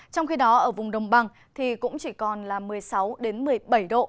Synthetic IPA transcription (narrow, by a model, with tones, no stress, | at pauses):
t͡ɕɔ˧wŋ͡mxi˧ɗɔ˨˦ʔəː˧˩vʊ˨˩ŋ͡mɗə˨˩wŋ͡mɓa˨˩ŋ | t̪ʰi˨˩kʊ̰˧˥ŋ͡mt͡ɕi˧˩kɔ˨˩nlaː˨˩mɨ˨˩əjsa˨˦wɗe˨˦nmɨ˨˩əjɓə˧˩jɗo̰˧˨ʔ